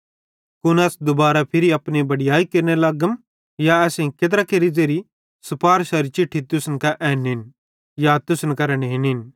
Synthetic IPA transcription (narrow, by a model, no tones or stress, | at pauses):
kʊnɐːsd̪ʊbaːɾapʰɪɾiɐpnibɐɽɪjaːikeɾnelɐɡəm | jaɛːsẽket̪̬ɾakeɾid͡zeːɾi | sʊpaːɾʃɐɾit͡ʃɪʈʰːit̪ʊsənkaʔɛːnɦɪn | jat̪ʊsənkɐɾənɦɪnɦɪn